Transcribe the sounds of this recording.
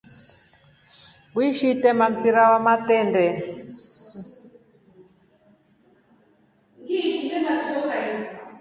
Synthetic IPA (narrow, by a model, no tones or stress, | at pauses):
wwiʃitɛmam̩piɾawamatɛndɛ | ŋɡisitɛmatʰɔka